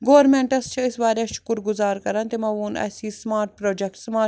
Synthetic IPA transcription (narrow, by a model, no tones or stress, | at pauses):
ɡoːʋɐɾmeɳʈɐst͡ʃʰiisʋaːɾʲaːʃukuɾɡʊzaːɾkɐɾɐnt̪imɐʋuːnɐ̰ːsiːsmaːɾʈ̚pɾoːd͡ʒekʈsmaː